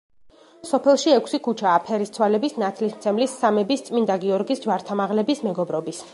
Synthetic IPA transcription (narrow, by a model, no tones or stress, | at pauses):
sɔpʰɛlˠʃiɛkʷʰsikʰut͡ʃʰaːpʰɛɾist̪sʰwalɛbisnat̪sʰlismt̪sʰɛmlisːamɛbist̪sʼmind̪aɡiɔɾɡisd͡ʒwaɾt̪ʰamaʁlɛbismɛɡɔbɾɔbis